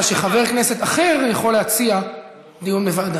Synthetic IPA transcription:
ʃeχaveʁkneset̪aχe̞ʁjaχolehat͡sia | d̪ijunlevad̪a

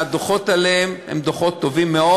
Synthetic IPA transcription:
ad̪oχot̪aleemḛmd̪oχot̪ːovimːeo

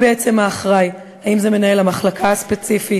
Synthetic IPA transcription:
beet͡se̞maːχʁaj | haimze̞me̞nae̞lamaχlakʰaaspet͡sifi

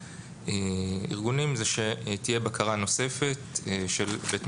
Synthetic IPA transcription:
eḭʁɡunimzeʃet̪ije̞bakʰaʁano̞se̞fe̞tʃelbet̪

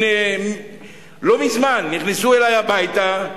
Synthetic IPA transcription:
e | lo̞mizmanːiχnisuelajabajt̪a

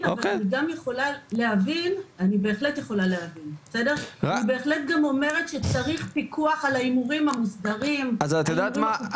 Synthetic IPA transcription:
aovalaniɡamjeχo̞lale̞havinanibe̞ːχle̞tje̞χo̞laleavinbbesede̞ʁanibe̞ːχletɡamo̞me̞ʁet̪ʃet͡saʁiχpikʰuaχalaimuʁimamusdaʁimazt̪edama

